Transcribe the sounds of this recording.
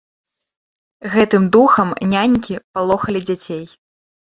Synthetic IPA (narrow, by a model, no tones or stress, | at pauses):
ɣɛt̪ɨmd̪uxɐmnʲanʲkʲipalˠɔxɐlʲid͡zʲat͡sʲej